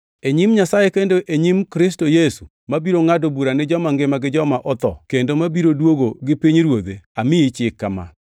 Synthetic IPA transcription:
eɲimɲasajekendoʔeɲimkɾɪs̬tojesu | mabiɾoŋadobuɾanɪd͡ʒɔmaŋɡɪmaɡɪd͡ʒɔmaʔɔt̪ɔ̰kendomabiɾodwoɡoɡɪpiɲɾwod̪eamɪit͡ʃɪkːama̰

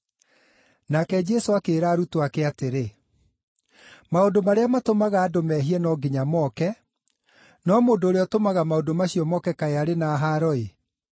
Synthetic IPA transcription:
nakɛd͡ʒɛsoakeːɾaːɾutoakeateɾe | maondomaɾeamatomaɣaːdomɛɦiɛnɔɡiɲamɔkɛ | nɔmoːdoːɾeɔtomaɣamaodomaɕiɔmɔkɛkaeaɾenaːɦaɾɔe

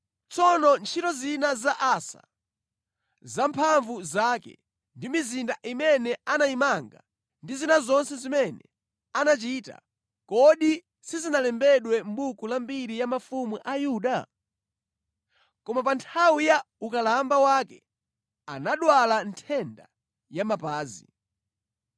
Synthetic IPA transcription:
t͡sɔnɔnt͡ʃʰitɔzinazaʔasa̰ | zampʰaɱvuzakɛ̰ | ndimizindaʔimɛnɛanaimaŋɡa̰ | ndizinazɔnsɛzimɛnɛ̰ | anat͡ʃita̰ | kɔɗi | sizinalɛmbɛɗwɛmbukulambiɾijamafumuʔajuːɗa | kɔmapantʰawija | ukalambawakɛ | anaɗwalantʰɛnda | jamapaːzḭ

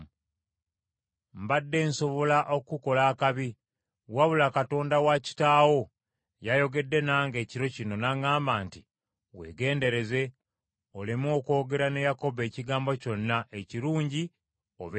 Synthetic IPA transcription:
mbadːe̞ːnso̞βo̞laʔokuko̞laːkaβi | waβulakato̞ːndawaci̥taːwo̞ | jajo̞ɡe̞dːe̞naːŋɡe̞ːciɾo̞cino̞naŋaːmbaːnti | we̞̰ɡe̞ːnde̞ɾe̞ze̞ | olemo̞ko̞ːɡe̞ɾane̞jako̞βe̞ːciɡaːmbo̞co̞nːae̞ciɾuːɲɟi | o̰βe

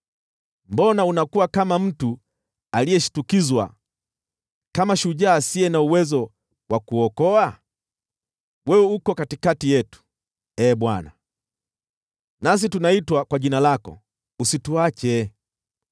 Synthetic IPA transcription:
mbɔnaunakuwakamam̩tu | alijɛʃu̥tukizwa̰ | kamaʃuʄaːsiɛnauwɛzɔ | wakuɔkɔa | wɛuukɔkatikatijɛtu̥ | ɛːɓwana̰ | nas̬itunaitwakwaʄinalakɔ̰ | usituwat͡ʃɛ

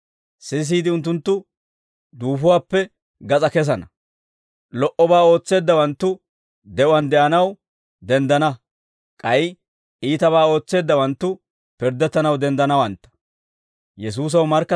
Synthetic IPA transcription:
sɪs̬iːd̪ɪʊnt̪ːʊnt̪ːʊ | d̪uːfʊwaːpːɛ | ɡɐt͡sʼɐkɛs̬ɐnɐ | lɔʔɔbaːoːt͡sːe̞ːd̪ːɐwɐnt̪ːʊ | d̪ɛʔɐnd̪ɛʔɐnɐw | d̪ɛnd̪ɐnɐ | kʼɐj | ʔiːt̪ɐβaːo̞ːt͡sːe̞ːd̪ːɐwɐnt̪ːʊ | pɪɾd̪ɛt̪ːɐnɐwd̪ɛnd̪ɐnɐwɐnt̪ːɐ̥ | jɛs̬uːs̬ɐwmɐɾkːɐ

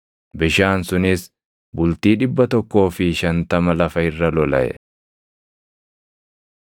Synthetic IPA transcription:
bɪʃaːnsʊnɪs | bʊlt̪iːᶑɪbːɐt̪ɔkːo̞ːfɪʃɐnt̪ɐmɐlɐfɐɪrːɐlɔlɐ̰ʔɛ̰

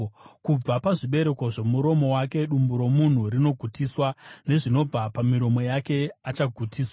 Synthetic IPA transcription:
kub͡vapaʐiɓe̞ɾe̞ko̞ʐe̞muɾo̞mo̞wake̞ɗumbuɾo̞mun̤urino̞ɡʱutiːswane̞ʐino̞b͡vapamiɾo̞mo̞jake̞at͡ʃaɡʱutiːswa

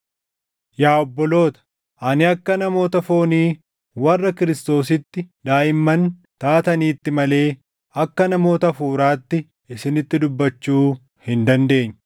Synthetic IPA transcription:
jaːɔbːɔlo̞ːt̪ɐ̥ | ʔɐnɪɐkːɐnɐmo̞ːt̪ɐfo̞ːniː | wɐrːɐkɪɾɪst̪o̞ːs̬ɪt̪ːɪd̪aːʔɪmːɐnt̪aːt̪ɐniːt̪ːɪmɐle̞ː | ɐkːɐnɐmo̞ːt̪ɐfuːɾaːt̪ːɪ | ɪsɪnɪt̪ːɪd̪ʊbːɐt͡ʃːuː | hɪnd̪ɐnd̪e̞ːɲːɐ

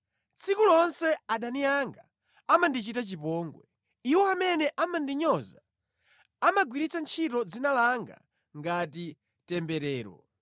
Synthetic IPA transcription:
t͡sʰikulɔnsɛaɗaniaŋɡa | amandit͡ʃitat͡ʃipɔːŋɡwɛ | iwɔamɛnɛʔamandiɲɔza | amaɡwiɾit͡sant͡ʃʰitɔd͡zinalaŋɡa̰ | ŋɡati | tɛmbɛɾɛːɾɔ̰

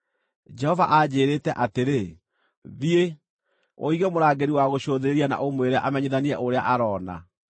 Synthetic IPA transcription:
d͡ʒɛhɔvaʔad͡ʑeːɾeːtɛʔateɾe | vie | o̰iɣɛmoɾaːɡeɾiwaɣoɕoðeɾeɾiana̰ʔomweɾaʔamɛɲeðaniɛʔoɾeaʔaɾɔːna̰

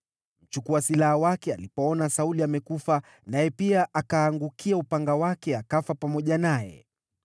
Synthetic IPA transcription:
m̩t͡ʃukuasilahawakɛalipɔɔnasauliamɛkufa | najɛpiaʔakaːŋɡukʰiaupaŋɡawakɛakafapamɔʄanajɛ̰

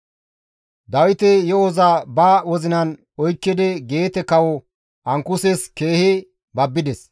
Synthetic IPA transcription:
d̪ɐwɪt̪ɛjɔɔzabaːwɔzɪnɐn | ɔjkːɪd̪ɛɡe̞ːt̪ɛkɐwɔ | ʔɐŋkʊseske̞ːhɪ | bɐbːɪd̪ɛs

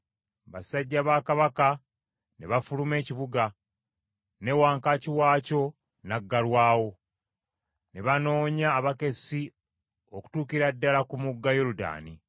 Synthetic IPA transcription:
βasaɟːaβaːkaβaka | neβafulume̞ːciβuɡa | newaːŋkaciwaːco̞ | naɡːalwaːwo̞ | ne̞βano̞ːɲaːβake̞si | oku̥tuːkiɾadːalakumuɡːajoluda̰ːni

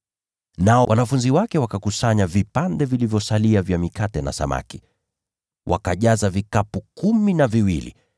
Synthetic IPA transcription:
naɔwanafunziwakɛwakakusaɲavipandɛvilivjɔsaliavjamikatɛna̰sa̰ma̰ki̥ | wʔa̰kaʄazavikapukuminaviwilḭ

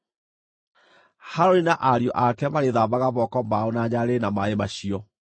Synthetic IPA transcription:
haɾoɾinaʔaɾjɔʔakɛmaɾeðaβaɣaβɔkɔmaonaɲaɾenamaemaɕiɔ

